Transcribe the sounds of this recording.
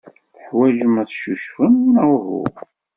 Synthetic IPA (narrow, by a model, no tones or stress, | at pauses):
θəħwæʒəmæθʃuʃfəməʁɦʊ̰